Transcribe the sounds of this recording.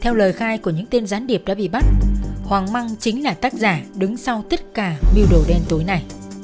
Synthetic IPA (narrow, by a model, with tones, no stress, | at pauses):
t̪ʰɛ˧wləː˨˩jxaː˧jku˧˩əɲɨ̰˧˥ŋt̪e˧nzaː˨˦nɗi˨˩əp̚ɗa̰ː˧˥ɓḭ˧˨ɓa˦˥t̚hwaː˨˩ŋma˧ŋt͡ɕï˨˦ŋ̟laː˨˩t̪aː˦˥k̚zaː˧˩ɗɨ˨˦ŋsa˧wt̪ə˦˥t̚kaː˧˩ɓi˧wɗo˧˩ɗɛ˧nt̪o˨˦jna˨˩j